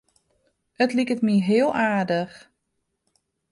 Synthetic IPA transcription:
ətlikətmiɦɪəlˠaːdəx

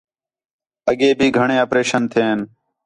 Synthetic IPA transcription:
əɠeːbʱiːɡʱəɳ̃ẽːoːpɾeːʃənt̪ʰeːɦn

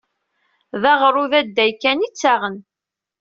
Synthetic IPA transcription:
ðaʁɾˤuðæd̪ːæjkːænit͡sːaʁən

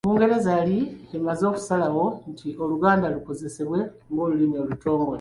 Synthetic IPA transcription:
kuːŋɡe̞ɾe̞zaliemazo̞kusalawo̞ntʰio̞luɡaːndaluko̞ze̞se̞βwe̞ | ŋɡo̞ːlulinoːluto̞ːmɡole

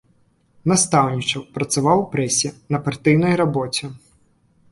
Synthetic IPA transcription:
nast̪awnʲit͡ʂɐwpɾɐt̪savawpɾɛsʲinɐpart̪ɨjnɐjɾabɔt͡sʲɛ

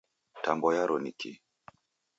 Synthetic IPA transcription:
tambɔjaɾɔniki

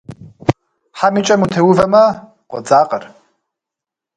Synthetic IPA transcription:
ħamit͡ʃʼɐmut̪ʰewuvɐmɐ | qʷʼɔd͡zaːqʼɐr

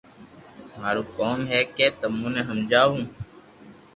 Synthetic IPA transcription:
m̤aːɾuːkoːmɦɛːkeːt̪əmũːnẽːɦəmd͡ʒaːɦũː

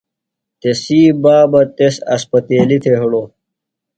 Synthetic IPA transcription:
t̪esiːbaːbɐt̪esɐ̰spɐt̪eːlit̪ʰeɦɽo

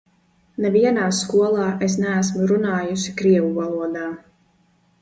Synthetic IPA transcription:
nɛviɛnaːskuɔlˠɑːʔes̬næːs̬muɾunaːjusi̥kɾiɛvuvalˠuɔd̪aː

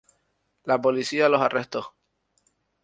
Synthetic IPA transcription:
lapolisialo̞sare̞ht̪oh

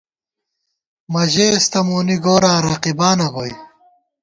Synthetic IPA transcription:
mɐʑeːst̪ɐmuːniɡoːɾãːɾaqibaːnɐɣoj

